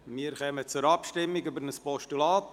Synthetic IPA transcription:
miːɾχɛmət͡sʊɾɑpʃtɪmːɪɡybəɾnəspɔʃtulaːt

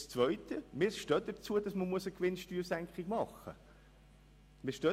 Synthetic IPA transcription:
st͡sʋœʏtəmɪːʃtøːt̚d̥ət͡suəd̥ɑsməmuəsəkʋɪnʃtyːsæŋkχiɡmɑχːə̰ | mɪːʃtøː

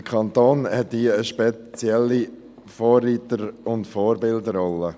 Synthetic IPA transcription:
əkʰɑnt̪oːnhɛt̚diːəəʃpɛt͡sjɛlːi | fɔːriːtəɾʊndfɔːɾbɪldəɾɔlːə

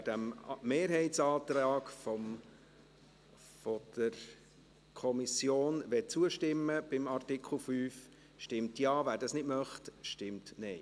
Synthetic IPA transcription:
d̥æmmeːɾɦɛɪtsɑːt̪ɾɑːɡfɔ | fɔd̪̥əɾ | kʰɔmisjoːnʋɛt͡suəʃtɪmːəb̥ɪmɑrtɪkʰl̩fyːf | ʃtɪmtjɑːvæːɾdɑsnɪdmœχtʃtɪmtnɛɪ

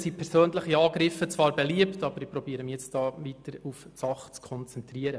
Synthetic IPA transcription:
sipʰɛɾsøːnləχiɑːɡɾɪfət͡sʋɑːɾbɛliəptɑbəɾɪpɾɔbiəɾəmijɛt͡std̥ɑːʋiːtəɾufsɑχt͡skʰɔnt͡sɛntɾiəɾə

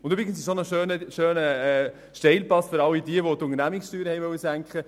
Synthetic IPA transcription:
ʊnt̪øbɾɪɡənsisonəʃøːnəʃøːnə | ʃteɪlplɑsfʏɾɑʊidiəʋot̪ʊnənæmɪksʃtyːɾhɛɪʋœʊəsæŋkχə

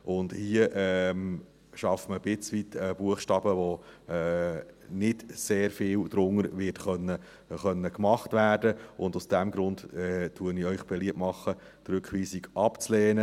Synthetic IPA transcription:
ʔʊndhiəʔɛm | ʃɑfməb̥ɪt͡sʋitəb̥uəχʃtɑːb̥əʋoɛːnɪdseːɾfɪːld̥̪ɾʊŋəɾʋɪtχœnːə | χœnːəkmɑχtʋæːrdəʊndusd̥æmɡɾʊndɛtuənɪœʏχb̥ɛliəp̚mɑχːə | t̪ɾʏkχʋiːsiɡʔɑpt͡slɛːnə

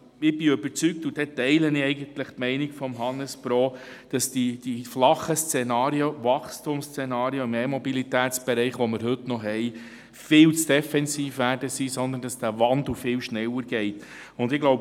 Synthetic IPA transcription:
ɪb̥iøbəɾt͡syk̚t̪ud̥ɛtɛɪlənɪɛɪɡənt̪ləχtmɛɪnikfɔmɦɑnəspɾɔːd̥ɑsd̥id̥iflɑχəst͡sɛnɑːɾiovɑχstʊmst͡senɑːɾioɪmɛmɔbilit̪æːt͡sb̥ɛɾɛɪχʋɔmɪɾɦɵtnɔɦɛɪ | fɪːlt͡sd̥ɛfɛnsiːfʋæːɾdəsisɔnd̪əndɑsd̥ævɑnd̪l̩ˠfɪːlʃnɛwəɾɡ̥ɛɪt | ʊnd̪ɪɡ̥loʊb

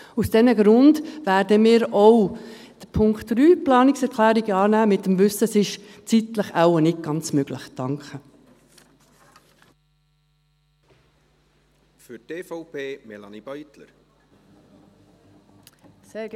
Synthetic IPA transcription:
usd̥ɛnəɡɾʊndʋæːrdəmɪːɾɔw | d̪̥əpʰʊŋktɾyːplɑːnɪksɛɾkʰlæːɾiɡəɑːnæːmɪt̪ːəmvʉsəsɪʃt͡sit̪ləχæwənɪd̚ɡ̥ɑnt͡smøɡ̥ləχd̥ɑŋkχə | fyteːfɔʊpʰeːmɛlɑnib̥œjt̪lə̰ɾ

